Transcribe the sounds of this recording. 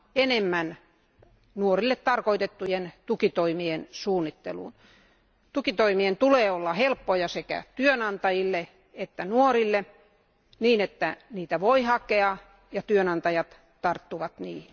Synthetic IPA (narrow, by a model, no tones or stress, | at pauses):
enemːæn | nuorilːet̪t̪ɑrkoit̪et̪ːujent̪ukit̪oimiensuːnːit̪ːḛlṵːn | t̪ukit̪oimient̪uleːolːɑhelpːojɑsekæ̰t̪yønɑnt̪ɑjilːe | et̪ːænuorilːe | niːnet̪ːæniːt̪æʋoihɑkeɑ | jɑt̪yønɑnt̪ɑjɑt̪ | t̪ɑrt̪ːuʋɑt̪niː